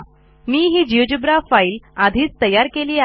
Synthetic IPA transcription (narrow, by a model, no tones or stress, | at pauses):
miːɦiːd͡ʑiʋd͡ʑubɾafaiːlad̪ʱiːt͡st̪əjaɾkeliːa